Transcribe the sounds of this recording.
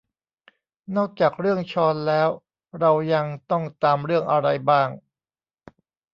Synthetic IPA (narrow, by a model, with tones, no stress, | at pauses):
nɔː˥˩k̚t͡ɕaː˨˩k̚ɾɯ˥˩əŋt͡ɕʰɔː˧nlɛː˦˥w | ɾa˧wja˧ŋt̪ɔ˥˩ŋt̪aː˧mɾɯ˥˩əŋʔa˧ɾa˧jbaː˥˩ŋ